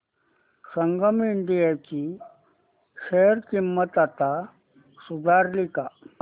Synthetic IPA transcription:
səŋɡəmiɳɖijat͡ɕiː | ɕejəɾkimːət̪at̪a | sud̪ʱaɾlika

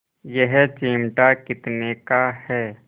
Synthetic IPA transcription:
jɛɦt͡ʃeːmʈakɪt̪nekahɛː

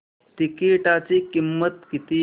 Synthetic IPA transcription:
ʈ̪ikiʈat͡sikimːət̪kit̪i

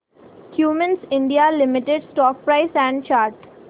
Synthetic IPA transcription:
kʰjuːmə̃nsɪ̃ɳɖialɪmɪʈeɖsʈɔːk̚pɾaɪsæ̃ɳɖ̚t͡ʃaːɾʈ

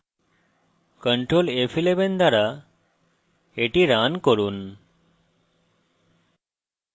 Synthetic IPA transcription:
kəɳʈɾolefʰilebend̪aɾa | eʈiɾankɔɾun

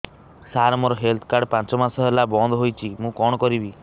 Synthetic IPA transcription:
saɾɔmɔɾɔɦelt̪ʰɔ̥kaɾɽɖpãnt͡ʃɔmasɔɦelabɔnd̪ʱɦojt͡ʃʰimũkɔɽ̃ɔkɔɾibi

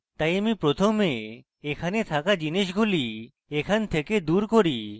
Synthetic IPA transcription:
t̪ajamipɾot̪ʰome | ekʰanet̪ʰakad͡ʑiniʃɡʱuli | ekʰant̪ʰeked̪uɾkoɾi

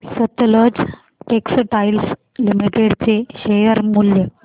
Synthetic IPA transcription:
sət̪ləd͡z | ʈeksʈajls | limiʈeɽt͡seɕejəɾmuljə

